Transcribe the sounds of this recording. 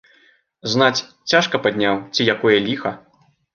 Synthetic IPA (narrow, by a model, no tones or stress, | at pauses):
znat͡sʲ | t͡sʲaʂkɐpad̪ʲnʲawt͡sʲijakɔjɐlʲixɐ